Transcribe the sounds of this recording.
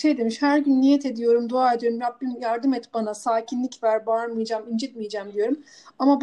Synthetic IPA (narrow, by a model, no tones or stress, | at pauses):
ʃejd̪e̞miʃhæɾɟynlʲijɛt̪ʰe̞d̪ijo̞ɾumd̪oaːed̪ijo̞ɾumɾabːimjaɾd̪ɯmɛt̪banasaːcʰinlʲicvæɾbaɾmɯjd͡ʒaːmind͡ʒɛt̪mijd͡ʒaːmd̪ijo̞ɾum | amab